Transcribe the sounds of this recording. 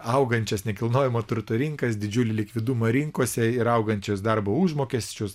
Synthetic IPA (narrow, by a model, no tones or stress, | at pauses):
ɐʊɡɐnʲt͡ʃʲɛsnʲɛkʲɪlˠnoːjʲɪmot̪ʊɾt̪ʊɾʲɪŋkɐsd̪ʲɪd͡ʒʲʊlʲɪlʲɪkʋʲɪd̪uːmɐɾʲiŋkoːsʲɛɪɾɐʊɡɐnʲt͡ʃʲʊːsd̪ɐɾboːuʒmoːkʲɛsʲt͡ʃʲʊs